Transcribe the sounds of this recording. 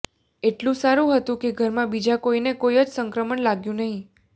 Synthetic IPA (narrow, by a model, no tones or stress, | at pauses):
eʈlũsaɾũɦət̪ũkeɡʱəɾmãbid͡ʒakoinekojəd͡ʒsəŋkɾəməɳlaɡjũnəɦĩ